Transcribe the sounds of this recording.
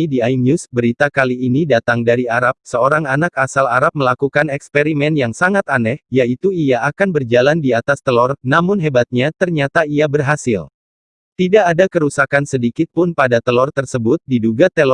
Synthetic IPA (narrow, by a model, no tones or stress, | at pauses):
idiajnjusbəɾit̪akaliːnidat̪aŋdaɾiaɾap̚səoɾaŋanakasalaɾap̚məlakukanɛkspeɾimɛnjaŋsaŋat̪anɛhjait̪uiaakanbərd͡ʒalandiat̪ast̪əlɔrnamʊnɦebat̪̚ɲat̪ərɲat̪aiabərɦasɪl | t̪idaʔːdakəɾusakansədikɪt̪̚pʊnpadat̪əlɔrt̪ərsəbʊt̪̚diduɡat̪əlɔ